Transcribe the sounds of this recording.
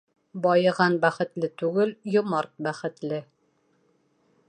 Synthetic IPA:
bɒjɤ̆ʁɑnbæχɘ̆t̪lɘt̪ʉɡɘljŏmɑɾt̪̚bæχɘ̆t̪lɘ

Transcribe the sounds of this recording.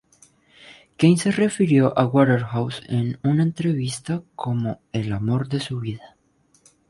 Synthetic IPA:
kejnse̞re̞fiɾjo̞ʔaɣwaɾeɾxawsenunaent̪ɾe̞βist̪akʰo̞mo̞elamo̞ɾðe̞suβiða

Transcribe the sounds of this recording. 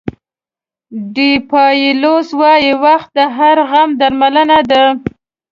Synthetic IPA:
ɖipɑjiloswɑjewaxt̪̚d̪əɦaɾɣamd̪aɾmalənad̪a

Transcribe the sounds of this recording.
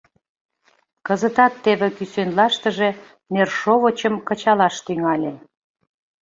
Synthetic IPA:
kəzət̪ɑt̪ːeβĕkysenlɑʃt̪ə̆ʒe̽ | nerʃoβət͡ɕəmkə̆t͡ɕɑlɑʃt̪yŋɑlʲe

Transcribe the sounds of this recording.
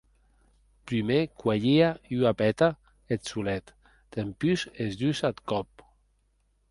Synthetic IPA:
pɾymekwaʎiayapɛt̪a | et̪sulɛt̪ | d̪̥empysezd̪ysat̪kɔp̚

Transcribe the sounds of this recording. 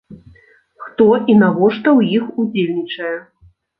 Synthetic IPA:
xt̪ɔʔinavɔʂt̪ɐwjixud͡zʲelʲnʲit͡ʂɐjɛ

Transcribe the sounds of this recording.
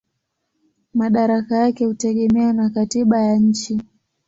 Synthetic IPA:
maɗaɾakajakɛhutɛɠɛmɛanakatiɓajaɲ̩t͡ʃi

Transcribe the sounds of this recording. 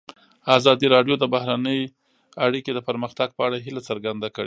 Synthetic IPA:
azɑd̪iɾɑɖjod̪əbahɾanəj | aɽiked̪əpəɾməxt̪aɡ̚pəaɽaɦilat͡səɾɡand̪akəɽe

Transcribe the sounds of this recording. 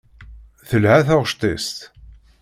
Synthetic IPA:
θəlʕaθaʁʃt̪ˤist̪

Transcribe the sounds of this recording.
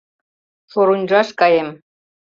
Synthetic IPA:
ʃoɾunʲʒɑʃkɑjem

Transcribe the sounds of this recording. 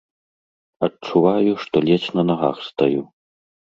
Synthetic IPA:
ɐt̚t͡ʂuvajuʂt̪ɔlʲɛt͡snɐnaɣa̰xst̪aju

